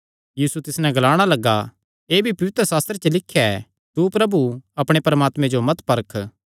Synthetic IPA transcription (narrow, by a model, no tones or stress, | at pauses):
jiːsut̪ɪsnɛ̃ɡɐlaːɽ̃alɐɡːa | eːbʱipɐʋɪt̪ɾəsaːst̪ɾet͡ʃəlɪkʰːjaɛ | t̪upɾɐbuɐpɽ̃epɾɐmaːt̪mẽd͡ʒomɐt̪pɐɾkʰ